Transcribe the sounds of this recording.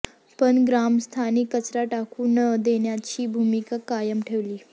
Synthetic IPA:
pəɳɡɾamst̪ʰanikːət͡sɾaʈakuːnəd̪eɳjat͡ɕiːbʱumikakajəmʈʰeʋliː

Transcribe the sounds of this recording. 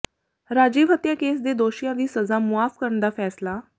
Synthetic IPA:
ɾaːd͡ʒiːʋɦət̪jaːkeːs̬d̪eːd̪oːʃijãːd̪iːsəzaːmʊaːfkəɾəɳnd̪aːpʰɛːslaː

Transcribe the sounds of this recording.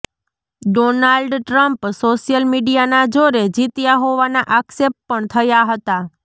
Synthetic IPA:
ɖonalɖʈɾəmpsoʃijəlmiɖijanad͡ʒoɾed͡ʒit̪jaɦoʋanaʔaksep̚pəɳt̪ʰəjaɦət̪a

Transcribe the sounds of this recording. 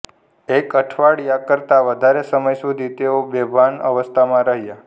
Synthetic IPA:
ekəʈʰʋaɽjakəɾt̪aʋəd̪ʱaɾesəməjsud̪ʱit̪eobebʱanə̰ʋəst̪ʰamãɾəɦija

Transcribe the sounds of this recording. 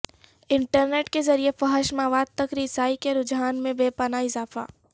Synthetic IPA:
ɪ̃ɳʈəɾneːʈkezɐɾiefɐɦəʃmaːʋaːd̪̚t̪ɐkɾisaːikeɾʊd͡ʒɦaːnmẽbeːpənaɪzaːfa̰ː

